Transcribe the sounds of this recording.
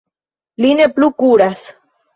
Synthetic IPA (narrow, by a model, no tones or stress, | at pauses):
lineplukuɾas